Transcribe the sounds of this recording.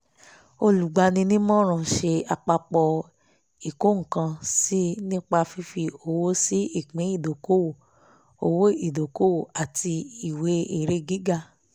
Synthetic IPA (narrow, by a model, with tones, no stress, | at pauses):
o˧lu˨ɡ͡ba˧˦nĩ˧nĩ˦mɔ̃˦ɾ̃ã˨ʃe˧a˧˨k͡pa˧k͡pɔ˧ | i˨ko˦ŋ̩˨kã˧si˦nĩ˦k͡pa˧fi˧fi˧o˧˨wo˦si˦i˦˨k͡pĩ˨˦i˦˨do˨ko˦wo˨ | o˧wo˦i˦˨do˨ko˦wo˦˨a˨ti˧i˨we˨˦e˦˨ɾe˧˦ɡi˨˦ɡa˦˨